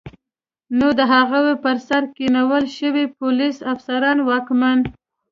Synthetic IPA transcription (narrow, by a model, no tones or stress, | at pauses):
nod̪əɦaɣawepəɾsaɾkinawəlʃəwipolisafsaɾɑnwɑkman